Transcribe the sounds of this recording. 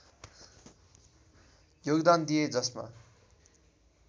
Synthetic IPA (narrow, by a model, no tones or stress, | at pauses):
joɡd̪and̪ijed͡zʌsma̰